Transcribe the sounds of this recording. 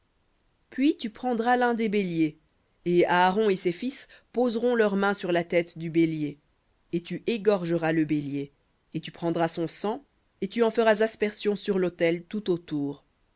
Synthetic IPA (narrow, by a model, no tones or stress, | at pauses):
pɥit̪ypχɑ̃d̪ʁalɛ̃d̪ebelje | eaːʁɔ̃esefispozʁɔ̃lœʁmɛ̃syʁlat̪ɛt̪d̪ybelje | et̪yʔeɡɔʁʒəʁaləbelje | et̪ypχɑ̃d̪ʁasɔ̃sɑ̃ | et̪yɑ̃fəʁazaspɛʁsjɔ̃syʁlot̪ɛlt̪ut̪ot̪uːʁ